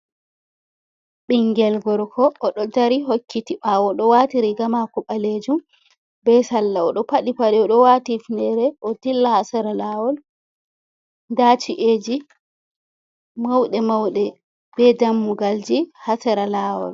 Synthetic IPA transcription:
ɓiŋɡɛlɡɔɾkʰɔʔːɗɔdaɾiɦokːitiɓawɔɗɔwatiɾiɡamakɔɓaleːd͡ʒum | bɛsalːaɔɗɔpaɗipaɗɛɔɗɔwatifndɛɾɛʔɔtilːahasaɾalaːwɔl | ndat͡ʃiʔeːd͡ʒi | mawɗɛmawɗɛ | b̥ɛdamːuɡald͡ʒihasaɾalaːwɔ̰l

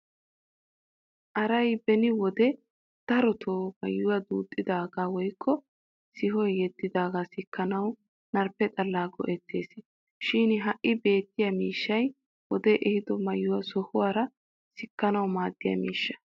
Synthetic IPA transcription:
ʔɐɾɐjbɛnɪwɔd̪ɛ | d̪̥ɐɾɔt̪ʰoːmɐjːʊwɐd̪uːt̪ʼːɪd̪aːɡaːwɔjkʰːɔ | sɪɦɔjjɛd̪ːɪd̪aːɡaːsɪkːɐnɐw | nɐɾpːɛt̪ʼɐlːaːɡɔ̰ʔɛt̪ːe̞̰ːsɪ | ʃɪːnɦɐʔɪbe̞ːt̪ːɪjɐmiːʃːɐj | wɔd̪ɛʔɛhɪd̪ɔmɐjːʊwɐsɔhʊwaːɾɐ | sɪkːɐnɐwmaːd̪ːɪjɐ̰miːʃːɐ̥

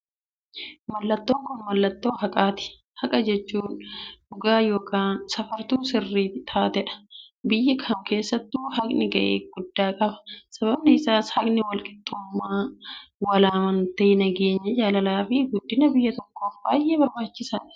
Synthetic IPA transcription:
mɐlːɐt̪ːoːŋkʊnmɐlːɐt̪ːo̞ːhɐkʼaːt̪ɪ̥ | hɐkʼɐd͡ʒɛt͡ʃːuːnʊɡaːjo̞ːkaːnsɐfɐɾt̪uːsɪrːiːtt̪ʰaːt̪ɛᶑɐ̥bɪjːɐkʰɐmkʰe̞ːsːɐt̪ːuːhɐkʼnɪɡɐʔḛːɡʊd̪ːaːkʼɐbɐ̥sɐbɐbnɪɪsaːshɐkʼnɪwɐlkʼɪ̥t̪ʼːuːmːaːwɐlaːmɐnt̪ɐːnɐɡeːɲːɐd͡ʒaːlɐlaːfɪɡʊd̪ːɪnɐbɪjːɐt̪ɔkːoːfbaːjʔe̞ːbɐɾbaːt͡ʃːɪsɐnɪ

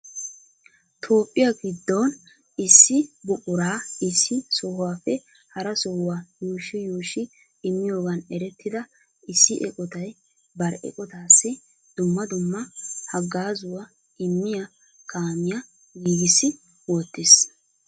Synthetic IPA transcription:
t̪ʰo̞ːpʼːɪjɐɡɪd̪ːoːn | ɪsːɪbʊkʼʊɾaːɪsːɪsɔhʊwaːfɛ | hɐɾɐsɔhʊwaːjuːʃɪjuːʃɪ | ɪmːɪjo̞ːɡɐnɛɾɛt̪ːɪd̪ɐ | ɪsːɪʔɛ̰kʼɔt̪ɐj | bɐɾɛ̰kʼɔt̪aːsːɪ | d̪̥ʊmːɐd̪ʊmːɐhɐɡːaːzʊwɐ | ɪmːɪjɐ | kʰaːmɪjɐ | ɡiːɡɪsːɪ | wɔt̪ːɪs

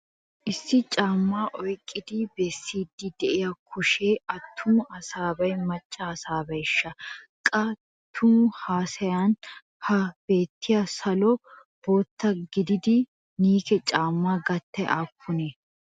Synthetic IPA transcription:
ʔɪsːɪt͡ʃʼaːmːaːʔɔjkʼːɪd̪ɪbɛsːiːd̪ːɪd̪ɛʔɪjɐkʰʊʃeːɐt̪ʰːʊmʊʔɐsaːbɐjmɐt͡ʃʼːɐːsaːbɐjɪʃːɐkʼɐ | tt̪ʰːʊmʊhaːsɐjan | hɐb̥e̞ːt̪ːɪjɐsɐlɔ | b̥o̞ːt̪ːɐɡɪd̪ɪd̪ɪ | niːkɛt͡ʃʼaːmːaːɡɐt̪ːɐjʔakʰːʊne

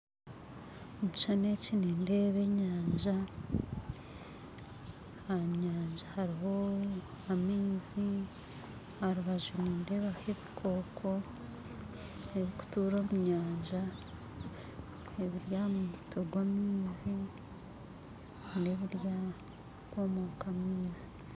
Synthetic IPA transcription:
omut͡ʃanecinende̞ːβe̞ɲaːɲʒa | aɲaːɲʒahaɾiɦo̞ | amiːzi | haɾuβaʒuniːnde̞βahe̞βikʰo̞ːkʰo̞ | eβiku̥tuːɾo̞ːmuɲaːɲʒa | eβiɾjamuutʰoɡwamiːzi | neβiɾja | ɡwomoːkamiːzi

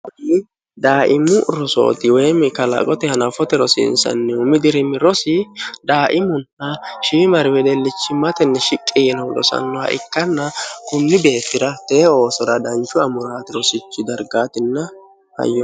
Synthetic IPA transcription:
ʊd̪i | d̪aːʔɪmːʊʔɾɔso̰ːt̪ɪwɛːmɪkɐlɐ̰kʼɔt̪ɛhɐnɐfɔt̪ɛɾɔsɪɪ̰nsɐ̰nːɛʊmɪd̪ɪɾɪmɪɾɔsɪd̪aːʔɪmʊnːɐʃɪɪmɐɾɪwɛd̪ɛlːɪt͡ʃːɪmɐt̪ɛnːɛʃɪkʼːɪjɛnɐwlɔ̰sɐ̰nːɔhɐ̰ʔɪ̰kːɐnːɐkʊnːɪbe̞ːt̪ːɪɾɐt̪ɛo̞ːsɔɾɐd̪ɐnt͡ʃʊɐmʊɾaːt̪ɪɾɔsɪt͡ʃːɪd̪ɐɾɡaːt̪ɪnːɐ | hɐ̰jːɔ

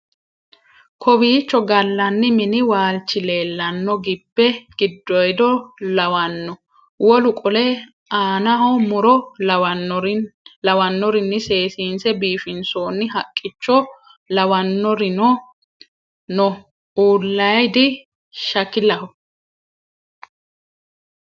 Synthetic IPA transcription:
kʰɔbiːt͡ʃːɔɡɐlːɐnːɪmɪnɪwaːlt͡ʃːɪle̞ːlːɐnːɔɡɪbːɛɡ̥ɪd̪ːɔjd̪ɔlɐwɐnːɔ | wɔlʊkʼɔlɛ | aːnɐhɔmʊɾɔ | lɐwɐnːɔɾɪnːɪse̞ːsiːnsɛbiːfɪnsoːnːɪɦɐkʼːɪt͡ʃːɔ | lɐwɐnːɔɾɪnɔ | nɔ | uːlːɐjd̪ɪ | ʃɐkːɪlɐhɔ

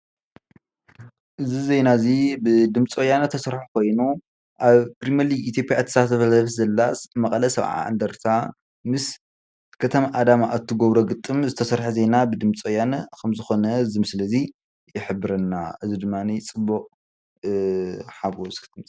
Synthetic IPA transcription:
ʔɨzizejnazibɨd̪ɨmt͡sʼojanɐt̪ʰɐsɐɾħukʰo̞jnu | ʔaβkɾimɐliɡit̪ʰjo̞pʼjat̪ʰːi̥sat̪ɐfɐlfɐzɐlːasmɐkʼɐlɐsɐβʕa̰a̰nd̪ɐɾt̪ʰa | mɨs | kʰɐt̪ʰɐmaʔad̪amaʔːt̪ʰːɨɡoβɾoɡɨt̪ʼːɨmzɨt̪ʰɐsɐɾħuzejnabɨd̪ɨmt͡sʼojanɐkʰɐmzɨxo̞nɐzimɨsɨlɐzi | jɪħɨbːɨɾɐnːaʔɨzid̪ɨmːanit͡sʼɨbːuqʼ | ħaɡoskʰɨmt͡sʼ

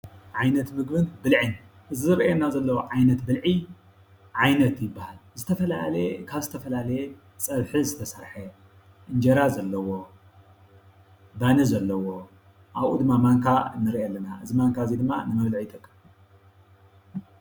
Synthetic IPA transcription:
ʕajnɐt̪mɨɡbɨnbɨlʕɨn | ʔɨzizɨɾiʔenːazɐlːɐwoʕajnɐt̪bɨlʕi | ʕajnɐt̪jɪbːahalzɨt̪ʰɐfɐla̰lɐkʰaβzɨt̪ʰɐfɐlalɐje | sʼɐβħizɨt̪ʰɐsɐ̰ɾħɐ | ʔɨnd͡ʒɐɾazɐlːɐwo̞ | banɐzɐlːɐwo̞ | ʔaβʔṵd̪ɨmːamaŋkʰanɨɾiʔɛlːɐnaʔɨzimaŋkʰazid̪ɨmːa̰nɨmɐβlʕit̪ʰʼɐkʼːɨ

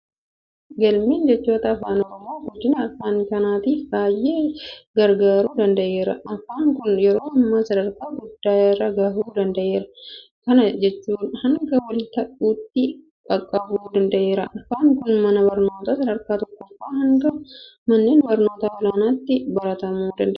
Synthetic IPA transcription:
ɡɐlmiːnd͡ʒɛt͡ʃːo̞ːt̪ɐːfaːnɔɾɔmːoːɡʊd͡ʒːɪnɐɐfaːnkɐnaːt̪iːfbaːjːeːɡɐɾɡaːɾuːd̪ɐnd̪ɐʔe̞ːɾɐ̰ɐfaːŋkʊnjɛɾo̞ːɐmːaːsɐd̪ɐɾkaːɡʊd̪̥ːaːjɛrːɐɡɐhuːd̪ɐnd̪ɐʔe̞ːɾɐ | kɐnɐd͡ʒɛt͡ʃːuːnhɐŋɡɐwɐlɪt̪ɐʔuːt̪ːɪ | kʼɐkʼːɐbuːd̪ɐnd̪ɐʔe̞ːɾɐʔɐfaːŋkʊnmɐnɐbɐɾnoːt̪aːsɐd̪ɐɾkaːt̪ɔkːɔfaːɦɐŋɡɐmɐnːeːnbɐɾno̞ːt̪aːɔlaːnaːt̪ːɪbɐɾɐt̪ɐmuːd̪ɐnd̪ɐ

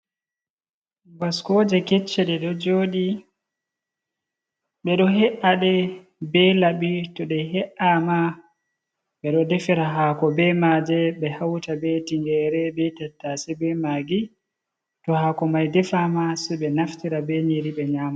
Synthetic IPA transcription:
ɡaskod͡ʒɛkɛt͡ʃːɛɗɛɗɔd͡ʒoːɗi | ɓɛɗɔɦɛʔaɗɛ | bɛlabitɔɗɛɦɛʔama | ɓɛɗɔdɛfɛɾaɦakɔbɛmad͡ʒɛɓɛhawtabɛtiŋɡɛɾɛbɛtatːasɛbɛmaɡi | tɔhakɔmajdɛfamasɛɓɛnaftiɾabɛɲiɾiɓɛɲaːma

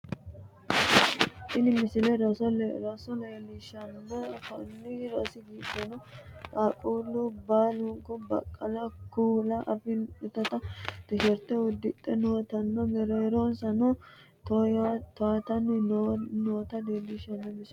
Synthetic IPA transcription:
ʔɪlɪmɪsɪlɛɾɔsɾɔsɔleːlɪʃɐnːɐkɐnːɪɾosɪɡiːd̪ɐnɔt̪ʼakʼulʊbaːlʊŋkɔbɐ̰kʼːɐlɐkuːlɐʔɐfɪnɛt̪ːɐt̪ɐd̪̥ɪʃɛɾt̪ɛʊd̪ːɪt̪ʼːɛnoːt̪ɐnːɐmɛɾɛjɛɾonsɐnɔ | t̪ɔt̪ɔat̪ɐn | noːt̪ɐdeːlɪʃɐnːɐmɪs

